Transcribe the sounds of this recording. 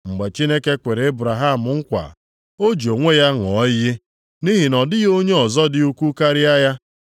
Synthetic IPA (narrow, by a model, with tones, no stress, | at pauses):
ŋ͡m̩˨ɡ͡be˨t͡ʃi˦ne˦ke˦kʷe˨ɾe˨e˦bɾa˨ɦa˦˨m̩˨ŋ̩˦kʷa̰˨ | o˦d͡ʒo˨ŋʷe˦ja˦ŋ˨ɔ˨˦ji˦ | ni˦ɦi˨nɔ˨dɪ˦ɣo˦ɲe˦ɔ˨zɔ˦dɪ˨u˦ku˦ka˦ɾɪ˦a˦ja˦